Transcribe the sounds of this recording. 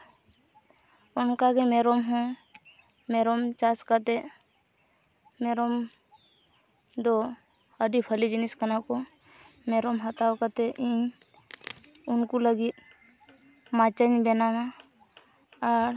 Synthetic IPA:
ɔnkaɡɛmɛɾɔmɦɔ̃ | mɛɾɔmt͡ʃaskat̪ɛ | mɛɾɔm | d̪ɔ | əɖipʰəlid͡ʒiniskanakɔ | mɛɾɔmɦət̪awkat̪ɛʔiɲ | unkuləɡit̪̚ | mat͡ʃəɲbɛnama | ɾ

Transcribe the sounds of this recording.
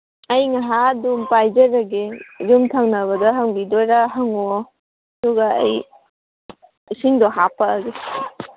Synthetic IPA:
ɐjŋaɦadumpajd͡ʒɐɾɐɡed͡ʒumtʰaŋnɐβɐdɐɦaŋbidɔjɾaɦaŋɔ | duɡa̰ːj | siŋdɔɦapɐːɡe

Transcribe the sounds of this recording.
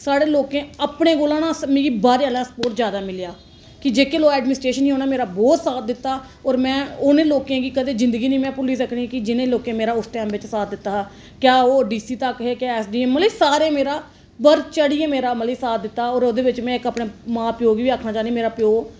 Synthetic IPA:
saːɽeːloːkẽːəpɳẽːɡoːlãːnãːsmẽːɡiːbaːɾeːaːlãːsə̥poːɾʈzjaːd̪aːmɪljaː | kɪd͡ʒeːkeːloːɛːɖmɪnɪsʈɾeːʃəniːõːnaːmeːɾaːbɔːt̪saːt̪̚ʰd̪ɪt̪ːaː | ɔːɾmɛ̃ːʊnẽːloːkẽːɡiːkəd̪eːd͡ʒɪ̃nd̪əɡiːnĩːmɛ̃ːpʊliːsɾəkʰɳikɪd͡ʒɪnẽːloːkẽːmeːɾaːʊsʈɛ̃ːmʋɪt͡ʃsaːt̪̚d̪ɪt̪ːaː | kjaːoːɖiːsiːt̪əkɦeːkjaːɛːsɖiːɛːmːəliːsaːɾeːmeːɾaː | pəɾt͡ʃəɽiːeːmeːɾaːməliːsaːt̪̚ʰd̪ɪt̪ːaːɔːɾoːd̪eːʋɪt͡ʃmɛ̃ːɪkəpɳeːmãːpɪjoːɡʋiːaːkʰnaːt͡ʃaːniːmeːɾaːpɪjoː

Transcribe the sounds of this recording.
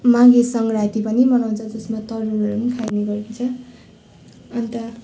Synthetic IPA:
mãɡesʌŋɡrat̪ipʌnimʌnaw̃nt͡sʰʌd͡zʌsmat̪ʌɾuɾʌɾunkʰajneɡʌɾkʰit͡sʰʌ | ʌnt̪ʌ

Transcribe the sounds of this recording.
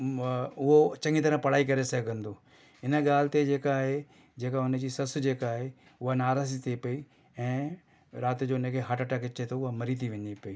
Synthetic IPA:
ʊɦot͡ɕɐ̃ŋɡit̪ɐɾə̃pɐɽ̤aːik̬ɐɾesɐɡɡʱə̃nd̪oː | ɪnəɠaːl̤ɪt̪ed͡ʑeːkaːɦe | d͡ʑeːkaʊnə̆d͡ʑiːsɐsd͡ʑeːkaːɦe | ʊɦanaːɾaːsit̪ʰepɐiː | ɛ̃ː | ɾaːt̪d͡ʑoːɪnə̃kʰeɦɐʈəʈakɪt͡ɕet̪ʰoʊɦamɐɾit̪ʰiʋɐ̃ɲipɐiː

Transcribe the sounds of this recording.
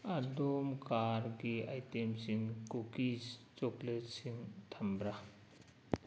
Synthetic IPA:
adɔmkaɾɡiajtemsiŋkokist͡ʃɔklet̚siŋtʰambɾa

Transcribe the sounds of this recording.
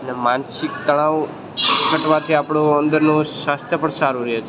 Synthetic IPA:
ənemansikt̪əɽ̃ãʋ | kʰəʈʋãt̪ʰiapɽoənd̪əɾnũʃast̪ʰjəpəɳsaɾuɾəɦet͡ʃʰ

